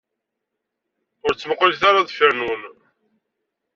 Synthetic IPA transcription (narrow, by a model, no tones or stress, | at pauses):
ʊɾt͡sːəməqːliθaɾaðfəɾnwən